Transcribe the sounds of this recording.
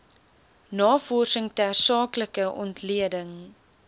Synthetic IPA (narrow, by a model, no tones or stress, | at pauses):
nɑːfɔrsəŋtæːrsɑːkləkəʔɔ̰ntliədəŋ